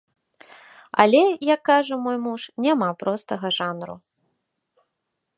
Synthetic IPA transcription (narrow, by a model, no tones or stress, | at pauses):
ɐ̰lʲɛjakːaʐɐmɔjmuʂnʲamapɾɔst̪ɐɣɐʐanɾṵ